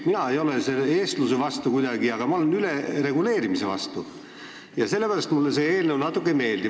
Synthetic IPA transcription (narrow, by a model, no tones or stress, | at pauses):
minɑe̞jo̞leseleeːst̪lusevɑst̪ukujd̪ɑɡ̥iɑɡ̥ɑmɑo̞lenylere̞ɡule̞ːɾimise̞vɑ̰st̪u | jɑse̞lːepæɾɑst̪mulːes̬e̞eːlnewnɑt̪ːˑukːˑeme̞ːld̪i